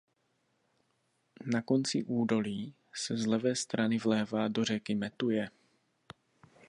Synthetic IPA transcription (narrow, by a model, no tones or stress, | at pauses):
nako̞nt͡sɪʔuːdo̞liː | sɛzlɛvɛːst̪ɾanɪvlɛːvaːdo̞r̝ɛkɪmɛt̪ujɛ